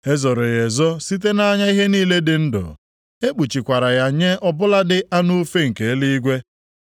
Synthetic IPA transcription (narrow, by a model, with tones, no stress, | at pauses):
e˦zɔ˨ɾʊ˨ɣe˨zɔ˦si˦t̬e˦na˦ɲa˦i˦ɦe˦niː˦le˦dɪ˨n̩˦dʊ̰˨ | e˦k͡pu˨t͡ʃi˨kʷa˨ɾa˨ja˦ɲe˦ʔɔ˦bʊ˦la˦dɪ˦ʔa˦nu˦fe˦ŋ̩˨ke˨˦li˦i˦ɡʷe˦